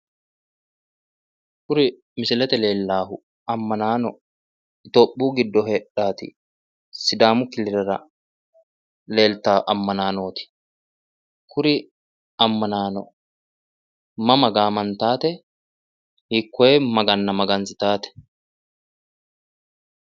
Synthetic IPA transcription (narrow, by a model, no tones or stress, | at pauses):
kʊɾɪ | mɪsɪlɛt̪ɛle̞ːlːaːhʊ | ɐmːɐnaːnɔ | ɪt̪oːpʼːuːɡɪd̪ːɔɦeːᶑaːt̪ɪ̰ | sɪd̪aːmʊkɪlɪɾɛɾɐ | le̞ːlt̪aːʔɐmːɐnaːnoːt̪ɪ̥ | kʰʊɾɪ | ɐmːɐnaːnɔ̰ | mɐmɐɡaːmɐnt̪aːt̪ɛ | hɪkːɔeːmɐɡɐnːɐmɐɡɐnsɪt̪aːt̪ɛ̥